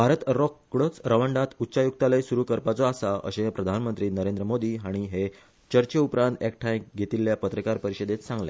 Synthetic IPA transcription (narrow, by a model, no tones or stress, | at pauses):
bʱaɾət̪ɾɔkːɽət͡sɾəʋəɳɖat̪utːɕajuk̚t̪aləjsuɾuːkəɾpat͡sɔasaə̰ɕepɾəd̪ʱanmənt̪ɾiːnəɾend̪ɾəmod̪iːɦaɽ̃iɦe | t͡ɕəɾt͡ɕeupɾãnt̪ekʈʰajɡʱet̪iːljapət̪ɾəkaɾpəɾiɕəd̪et̪sãŋɡljḛ